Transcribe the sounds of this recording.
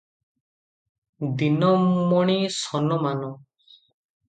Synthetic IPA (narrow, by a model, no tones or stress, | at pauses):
d̪inɔmːɔɽ̃isɔnɔmanɔ